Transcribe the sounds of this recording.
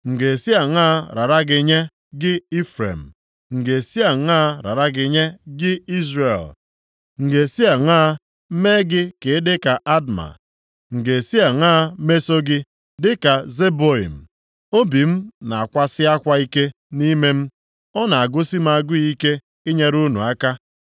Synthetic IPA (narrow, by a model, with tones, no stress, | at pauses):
ŋ̩˨ɡe˨si˦a˨ŋaː˦ɾa˨ɾa˦ɡɪ˨ɲe˦ | ɡɪ˦i˦fɾḛ˨m̩˨ | ŋ̩˨ɡe˨si˦a˨ŋ˦a˦ɾa̰˨ɾa˦ɡɪ˨ɲe˦ɡɪ˦i˦zre˨l | ŋ̩˨ɡe˨si˦a˨ŋaː˦ | me˦ɡɪ˦kɪ˨˦dɪ˦ka˨ʔa˦dma̰˨ | ŋ̩˨ɡe˨si˦a˨ŋ̩˦aː˦me˦so˦ɡɪ˦ | dɪ˦ka˨ze˦bo˦ḭ˨m̩˨ | o˦bi˨m̩˦na˨a˨kʷa˦sɪ˦a˦kʷa˦i˦ke˦ | ni˦me˦m̩˦ | ɔ˦na˨a˨ɡʊ˦si˦m̩˦a˨ɡʊ˦i˦ke˦ | ɪ˦ɲe˦ɾu˦nṵ˨a˦ka˦